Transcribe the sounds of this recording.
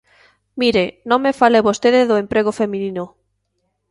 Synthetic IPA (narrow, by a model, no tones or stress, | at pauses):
miɾenõŋmefaleβost̪eðeðoempɾeɣ̞ofemĩnĩno